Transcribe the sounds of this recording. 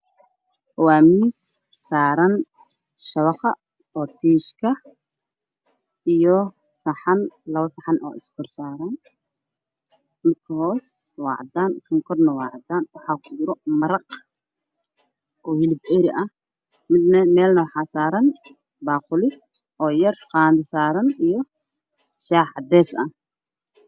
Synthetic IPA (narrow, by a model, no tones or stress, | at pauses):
waːmiːs | saːɾɐn | ʃɐβɑχɑ̰ | ɔːt̪ʰiːʃkʰɐ | ʔijɔ | sɐħɐnlɐβɐsɐħɑnɔ̰ːɪskʰʊrsaːɾaːn | mɪd̪̚kʰɐhɔːs | wɑ̰ːʕd̪aːnkʰɐŋkʰɔrnɐwɑːʕd̪aːnwɑħɑːkʰʊd͡ʒɪɾɔmɐɾɑq | ʔɔːhɪlɪbɛɾɪʔɐh | mɪd̪nɐmɛːlnɐwɑħaːsaːɾɐn | baːqʊlɪ | ʔɔːjɐrqaːnd̪ɐsaːɾɐnijɔ | ʃaːħɑd̪ɛːsɐ̰